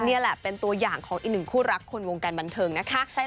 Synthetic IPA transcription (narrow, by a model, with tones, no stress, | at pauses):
ni˥˩ɐlɛ˨˩pe˧nt̪u˧ɐjaː˨˩ŋkʰɔː˩˦ŋʔiː˨˩nɯ˨˩ŋkʰuː˥˩ɾa˦˥kʰːo˧nwo˧ŋkaː˧nba˧nt̪ʰɤː˧ŋna˦˥kʰa˦˥ʔ